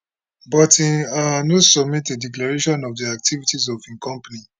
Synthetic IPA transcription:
bɔtĩanosɔb̚mitdediklaɹeʃɔ̃nɔvdiak̚tʰivitizɔvĩŋkɔ̃mpani

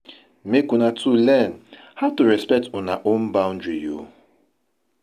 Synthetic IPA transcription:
mekunatʰulɛn̩ | hatuɾɛspɛk̚tʊnaʔom̩baʊ̃n̩dɹijo̰

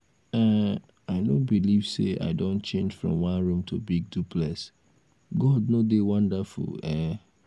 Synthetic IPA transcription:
ɛ | aɪnõbiliv̥sḛʔa̰ɪdõntt͡ʃẽnd͡ʒfɹɔ̰̃mwãnɹũmtʰubiɡ̚dupʰlɛs | ɡɔdnodewãndafṵlɛ

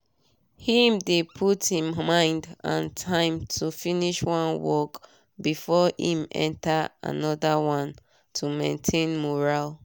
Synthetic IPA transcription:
hĩmdepʰuthĩmmãɪ̃ndã̰ntʰãɪ̃mtʰufiniʃwɔ̃nwɔk | bifɔhḭ̃mɛ̰̃ntaa̰nɔdawãn | tʰumẽntʰẽnmɔɹal

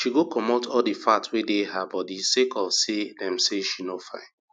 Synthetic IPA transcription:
ʃiɡokʰɔmotɔldifatwedeɦabɔdisekɔsedɛ̃mseʃinofãɪ̃n

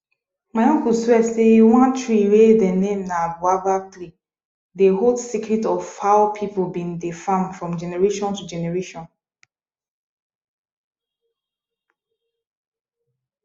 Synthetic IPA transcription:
majɔ̃ŋkuswɛseiwãntɹiɾedɛnẽmnabuaɡatli | deɦoldsikɹitɔvhaʊpʰipobĩndefãndfɹɔ̃md͡ʒɛnɛɹeʃɔ̃ntud͡ʒɛnɛɹeʃɔ̃n

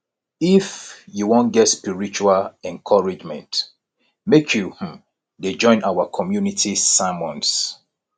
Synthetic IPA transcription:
ifjuwõnɡɛtspiɹit͡ʃualɛ̃nkʰɔɹid͡ʒmɛ̰̃nt | mekʰjuh̩ | ded͡ʒɔ̃ɪ̃nʔawakʰɔmjunitʰisamɔ̃ns

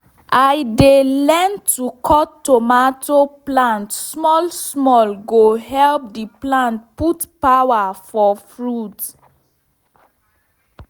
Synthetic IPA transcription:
ʔajdelɛ̃ntʰukʰɔtːomatʰoplãntsmɔlsmɔlɡoɦɛlp̚diplãnt̚putpawafɔfɹut

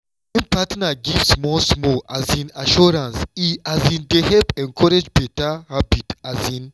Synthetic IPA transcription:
ẽnpatnaɡivsmɔsmɔʔazĩnaʃuɹãnsiazĩndehɛpɛ̃ŋkʰɔɾed͡ʒbɛtahabitazĩn

